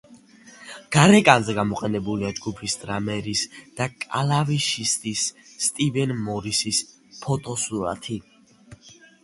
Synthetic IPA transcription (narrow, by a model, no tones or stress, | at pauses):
ɡ̥aɾɛkʼanzɛɡamɔqʼɛnɛbuliad͡ʒɡupʰisd̪ʼɾamɛɾisd̪̥akʼa̰laviʃist̪ʼisːt̪ʼibɛnmɔɾisis | pʰɔt̪ʼɔsuɾa̰t̪ʰi